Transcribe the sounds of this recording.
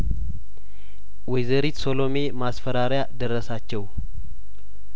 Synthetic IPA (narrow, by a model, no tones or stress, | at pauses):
wɔjzəɾit̪so̞lo̞me̞masfəɾaɾjad̪əɾəsat͡ʃːɛw